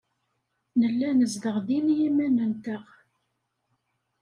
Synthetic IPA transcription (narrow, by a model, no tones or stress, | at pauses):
nəlːænəzðəʁðinjimænənt̪əʁ